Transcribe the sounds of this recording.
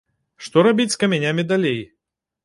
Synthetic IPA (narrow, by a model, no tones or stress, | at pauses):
ʂt̪ɔɾabʲit͡sʲskɐmʲanʲamʲid̪alʲej